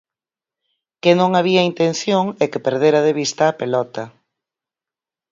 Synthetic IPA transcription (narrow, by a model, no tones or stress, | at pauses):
kenõŋaβ̞iaint̪ẽn̟θjoŋɛkepeɾð̞eɾɐðeβist̪ɐːpelɔt̪ɐ